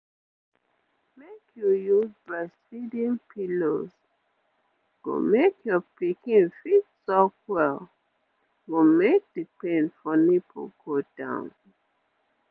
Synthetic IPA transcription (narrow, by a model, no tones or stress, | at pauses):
mekʰjujuzbaɪsfidĩnpʰiloz | ɡ̥o̰mekʰjɔpikĩnfitsɔkwɛl | ɡomek̚dəpẽnfɔnipʰo̰ɡod̥ã̰ʊ̃n